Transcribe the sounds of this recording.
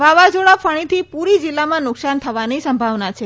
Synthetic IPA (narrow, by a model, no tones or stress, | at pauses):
ʋaʋad͡ʒoɭafəɽ̃it̪ʰipuɾid͡ʒilːamãnʊksant̪ʰəʋanisəmbʱaʋnat͡ʃʰe